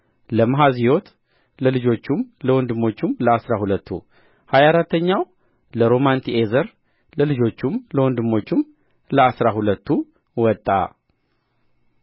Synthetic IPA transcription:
ləmaɦazio̞t̪ | ləlɨd͡ʒo̞t͡ʃːumləwɔnd̪ɨmːo̞t͡ʃːumləasɾahulət̪ːṵ | hajaɾat̪ːəɲːaw | ləɾo̞mant̪ʰiezəɾ | ləlɨd͡ʒo̞t͡ʃːumləwɔnd̪ɨmːo̞t͡ʃːum | ləasɾahulət̪ʰːu | wɔt̪ʼːa̰

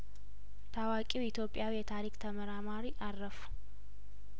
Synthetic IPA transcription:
t̪ʰawakʼiwɪt̪jo̞pʼɪjawijɛt̪ʰaɾikʼt̪ʰəmɐɾamaɾiʔarːɐfu̥

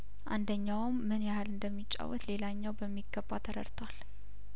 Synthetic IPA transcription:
ʔand̪əɲːawmːɨnjahalɨnd̪əmːit͡ʃʼːa̰wːɔt̪le̞laɲːawbəmːiɡːəbːat̪ʰəɾə̰ɾt̪ʰwal

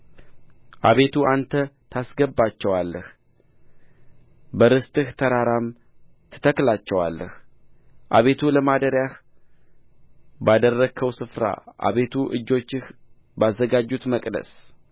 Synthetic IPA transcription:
ʔaβe̞t̪ʰuʔant̪ʰət̪ʰasɡəbːat͡ʃːɛwalːəh | bəɾɨst̪ʼɨht̪ʰəɾaɾam | t̪ʰə̥t̪ʰəklat͡ʃːɛwa̰lːəh | ʔaβe̞t̪ʰuləmad̪əɾjah | bad̪ərːəkʰːəwsɨfɾa̰ʔa̰βe̞t̪ʰuʔɨ̰d͡ʒːo̞t͡ʃːɪh | bazːəɡad͡ʒːut̪məkʼd̪ə̰s

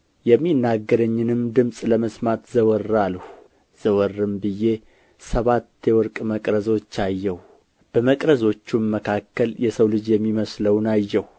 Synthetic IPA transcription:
jɛmːinːaɡːəɾəɲːɪnɨmd̪ɨmsʼləməsmat̪zəwɔrːaləh | z̥əwɔrːɨmbɨje̞ | səβat̪ːjɛwɔɾkʼməkʼɾəzo̞t͡ʃːajːɛh | b̥əməkʼɾəzo̞t͡ʃːuməkʰakːəljɛsəwlɨd͡ʒjɛmːiməsləwnajːɛh

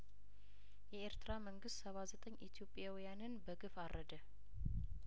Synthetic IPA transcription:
jɛeɾt̪ɨɾaməŋɡɨst̪səβazət̪ʼəɲːʔit̪ʰijo̞pʼːjawijanɨnbəɡɨfaɾʔəd̪ə

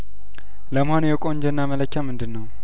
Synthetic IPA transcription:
ləməhonjɛkʼoɲd͡ʒɛnːamələkʰːamɨnd̪ɨnːəw

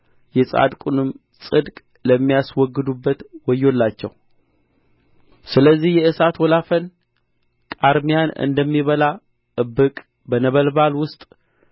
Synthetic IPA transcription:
jɛsʼa̰d̪kʼunɨm | sʼɨd̪kʼ | ləmːijaswɔɡːɨd̪ubːət̪wɔjːo̞lːat͡ʃːɛ̰w | sɨləzːihjɛɨsat̪wɔlafən | kʼaɾmijanɨ̰nd̪əmːiβəla | ɨbɨkʼ | bənəβəlbalwʊst̪ʼ

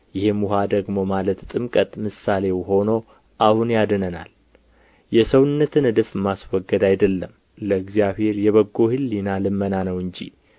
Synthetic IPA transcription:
jɪhemuɦad̪əɡmo̞malət̪t̪ʼɨmkʼət̪ʼmɨsːale̞wɦo̞no̞ | ʔahunjad̪ənəna̰l | jɛsəwɨnːət̪ʰɨnɨd̪ɨfɨmːaswɔɡːəd̪ajd̪əlːəm | ləɨɡzijaβhe̞ɾjɛβəɡːo̞hɨlːinalɨmːənanəwɨɲd͡ʒḭ

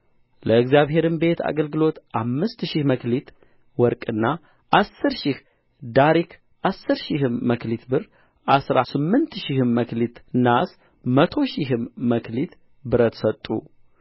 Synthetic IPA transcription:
ləɨɡzjaβɦe̞ɾɨmbe̞t̪ʰa̰ɡəlɡɨlo̞t̪ʔamːɨst̪ʃihməklit̪ | wɔɾkʼɨnːa | ʔasːɨɾʃih | d̪aɾik | ʔasːɨɾʃiɦɨmːəklit̪bɨr | ʔasɾasɨmːɨnt̪ʃihɨmːəklit̪nas | mət̪ʰo̞ʃiɦɨmːəkʰlit̪ | bɨɾət̪sət̪ʼːṵ

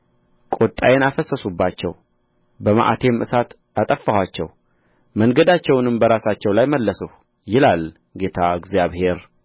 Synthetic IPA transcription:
kʼot̪ʼːajɛnafəsːəsubːat͡ʃːɛ̰w | bəma̰ʔat̪ʰe̞mʔɨsat̪ | at̪ʼəfːahwat͡ʃːɛ̰w | məŋɡəd̪at͡ʃːɛwnɨmbəɾasat͡ʃːɛwlajməlːəsəh | jɪlal | ɡe̞t̪ʰaɨɡzjaβhe̞ɾ

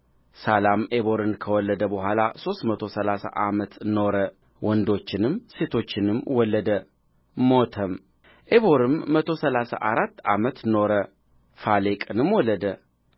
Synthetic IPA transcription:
salameβo̞ɾɨnkʰəwɔlːəd̪əbəɦʷalaso̞st̪mət̪ʰo̞səlasa̰ʔamət̪no̞ɾə | wɔnd̪o̞t͡ʃːɪnɨmse̞t̪ʰo̞t͡ʃːɪnɨmwɔlːəd̪ə | mot̪ʰəm | ʔeβoɾɨmːət̪ʰo̞səlasa̰ʔaɾat̪ːa̰mət̪no̞ɾə | falekʼɨnɨmwɔlːəd̪ə

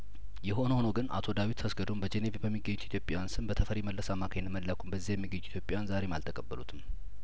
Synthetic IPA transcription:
jɛɦo̞nəhonəɡɨna̰t̪ʰo̞d̪awit̪ːʰəsɡəd̪ombəd͡ʒenevebəmːiɡːəɲːut̪it̪ʰjopʼːjajansɨnbət̪ʰəfəɾeməlːəsamakʰaɲnməlːakʰumbəzːihajɛmːiɡəɲːuit̪ʰjo̞pʼːajanzaɾe̞malt̪ʰəkʼəbːəlut̪ʰɨm

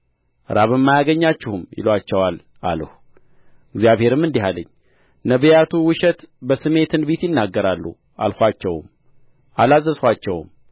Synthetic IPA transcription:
ɾaβɨmːajaɡəɲːat͡ʃːɛhumjɪ̰lwat͡ʃːɛwal | ʔa̰lə̰hu | ɨɡzjaβhe̞ɾɨmːɨnd̪iɦalə̰ɲː | nəβəjat̪ʰuwɨʃɛt̪bəsɨme̞t̪ʰɨnbet̪jɪnːaɡːəɾalːṵ | a̰lxʷat͡ʃːɛwm | ʔalazːəswʷat͡ʃːɛwm

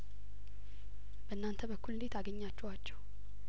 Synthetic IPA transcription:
bəɨnːant̪ʰəbəkʰːulɨlet̪aɡəɲːat͡ʃːɛwat͡ʃːɛw

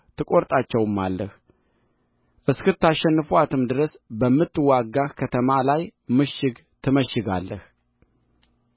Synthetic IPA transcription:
t̪ʰɨkʼo̞ɾt̪ʼat͡ʃːɛwɨmːalːəh | ʔɨskɨt̪ʰːaʃɛnːɨfuat̪ʰɨmd̪ɨɾəsbəmːɨt̪ːɨwaɡːahkʰət̪ʰəmalajmɨʃːɪɡ | t̪ʰɨməʃːɪɡa̰lːəh

